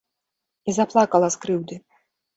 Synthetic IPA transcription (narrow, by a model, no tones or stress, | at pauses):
izaplˠakɐlˠɐskɾɨwd̪ɨ